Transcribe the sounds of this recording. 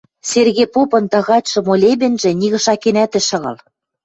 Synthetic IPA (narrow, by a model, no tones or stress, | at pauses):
serɣepopɤ̆nt̪ɑ̆ɣɑtʲʃɤ̆molʲeβɘ̆nʒĕniɣɤ̆ʃɑkenæt̪ɘ̆ʃɤ̆ɣɤ̰̆l